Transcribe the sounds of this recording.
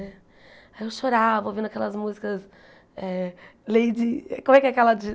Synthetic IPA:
ɛ | aewʃoɾavowvĩnd̪akɛlɐzmuzikɐs | ɛlejd͡ʒɪɛkõmʊɛkɛakɛlɐd͡ʒɪ

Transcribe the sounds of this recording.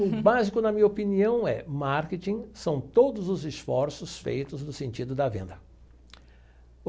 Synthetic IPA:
ʊbazikʊnɐmĩɲɐopiniɐ̃w̃ɛmaɾket͡ʃ̪ĩsɐ̃w̃t̪od̪ʊzʊzɪsfɔɾsʊsfḛjt̪ʊznʊsẽnt͡ʃid̪ʊd̪ɐvḛ̃nd̪ɐ

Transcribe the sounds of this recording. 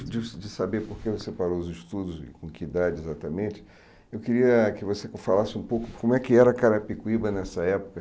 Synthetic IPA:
d͡ʒɪd͡ʒɪsabepoɾkevosepaɾoʊzɪʃt̪ud̪ʊzɪ̰kõkɪid̪ad͡ʒɪezat̪ɐmẽt͡ʃɪ | ewkɪɾiɐkɪvosekfalasɪũpowkʊkõmʊɛkɪɛɾɐakaɾɐpikuibɐnɛsɐɛpo̥kɐ

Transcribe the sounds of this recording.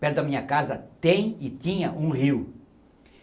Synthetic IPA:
pɛɾt̪ʊd̪ɐmĩɲɐkazɐt̪ẽj̃ɪt̪ĩɲɐʔũhiw

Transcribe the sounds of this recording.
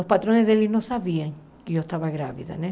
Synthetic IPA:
ospat̪ɾõnezðelinõsaβiɐŋ | kɪost̪aβaɣɾaβiðɐ̰ne

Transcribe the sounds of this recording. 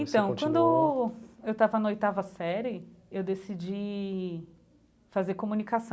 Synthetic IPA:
ẽt̪ɐ̃w̃kwɐ̃nd̪ʊ | ewt̪avɐnɐojt̪avɐsɛɾɪewd̪esid͡ʒi | fazeɾkomunikasɐ̃w̃

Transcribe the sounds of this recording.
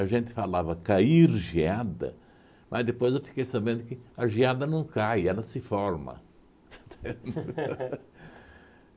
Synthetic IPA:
ɐʒẽnt̪ɪ̥falavɐkaiɾʒiad̪ɐ̰ | mʔɐzd̪epojzewfi̥kejsabẽnd̪ʊkɪɐʒiad̪ɐnɐ̃w̃kajɛlɐsɪfɔɾmɐ̰ | st̪e

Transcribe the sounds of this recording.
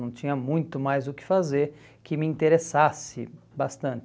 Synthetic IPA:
ɐ̃w̃t͡ʃĩɲɐmũj̃t̪ʊmajzʊkɪ̥fazeɾ | kɪmɪĩt̪eɾesasɪ | bast̪ɐ̃nt͡ʃ

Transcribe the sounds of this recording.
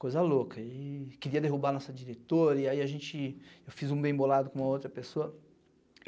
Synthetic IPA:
kojzɐlokʰɐekeɾiɐd̪eɦubanɔsɐd͡ʒiɾet̪oɾɐiaiaʒẽnt͡ʃɪewfizũbẽbolad̪ʊkõũmɐowt̪ɾɐpesoɐ

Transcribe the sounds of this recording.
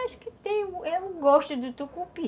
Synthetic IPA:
aʃʊ̥kɪt̪ẽj̃ũɛũɡɔʃt̪ʊd̪ʊt̪ukupi

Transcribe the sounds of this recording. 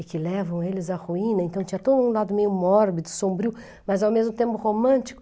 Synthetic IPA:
ɪkɪlɛvɐ̃w̃elɪzɐʁuĩnɐẽnt̪ɐ̃w̃t͡ʃĩɲɐt̪od̪ʊũlad̪ʊmejʊmɔɾbid̪ʊsõbɾiʊ | mɐzawmezmʊt̪ẽmpʊhomɐ̃nt͡ʃi̥kʊ

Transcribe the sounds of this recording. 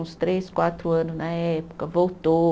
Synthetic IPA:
ũst̪ɾeskwat̪ɾʊɐ̃nʊznɐɛpʊ̥kɐvowt̪o

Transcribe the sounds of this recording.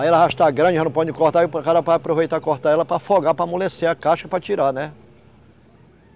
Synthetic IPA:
aiɛlɐahaʃt̪aɡɾɐ̃d͡ʒɪãnũpɔd͡ʒɪkoɾt̪aiʊpkaɾɐvad͡ʒapɾovejt̪akoɾt̪aɛlɐpɾɐfoɡapɾɐmoleseɐkaʃkɐpɾɐt͡ʃiɾanɛ

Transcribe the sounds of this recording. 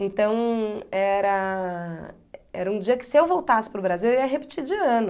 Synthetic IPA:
ẽnt̪ɐ̃w̃ɛɾɐ | ɛ̰ɾɐũd͡ʒiɐkɪ̥sɪewvowt̪asɪ̥pɾʊbɾaziwewiɐɦepɪ̥t͡ʃid͡ʒɪɐ̃nʊ

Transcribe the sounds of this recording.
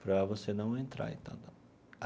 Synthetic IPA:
pɾɐvosenɐ̃w̃ẽnt̪ɾa̰ḛ̃t̪ã̰d̪

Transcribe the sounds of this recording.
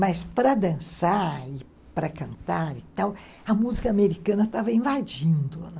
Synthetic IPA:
mɐspɾɐd̪ɐ̃saɪ | pɾɐkɐ̃nt̪aɾɪt̪aw | ɐmuzikɐameɾikɐ̃nɐt̪avɐĩvad͡ʒĩnd̪ʊ

